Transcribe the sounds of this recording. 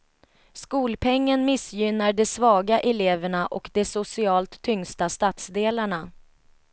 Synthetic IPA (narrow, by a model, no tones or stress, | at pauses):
skuːlpʰɛŋːənmɪsjʏnaɖɛsvɑːɡaʔɛleːvəɳaʔɔkd̪ɛsʊsɪɑːlt̪ʰːʏŋst̪ast̪ɑːt̪sd̪eːlaɳa